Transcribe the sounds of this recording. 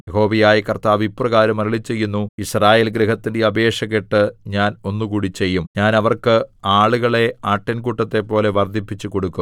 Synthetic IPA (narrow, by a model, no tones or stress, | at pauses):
jeɦo̞ːʋijaːjikɐrt̪aːʋiprɐɣaːɾɐmɐɾɐɭit͡ɕːe̞jːunːuisraːje̞ːlɡɾiɦɐt̪ːindeɐbe̞ːʂɐɣeʈːɨɲaːno̞nːukuːɽit͡ɕe̞jːumɲaːnɐʋɐrkɨaːɭuɣɐɭe̞aːʈːɐnkuʈːɐt̪ːe̞pːo̞ːle̞ʋɐrd̪ʱipːit͡ɕːuko̞ɽukːum